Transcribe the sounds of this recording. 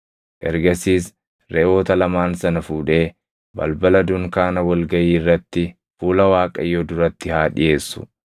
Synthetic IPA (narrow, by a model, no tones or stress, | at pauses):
ʔɛ̰ɾɡɐsiːs | ɾɛʔo̞ːt̪ɐlɐmaːnsɐnɐfuːᶑe̞ː | bɐ̰lbɐlɐd̪ʊŋkaːnɐwɐlɡɐjiːrːɐt̪ːɪ | fuːlɐwaːkʼɐ̰jːod̪ʊɾɐt̪ːɪhaːᶑɪje̞ːsːʊ̥̰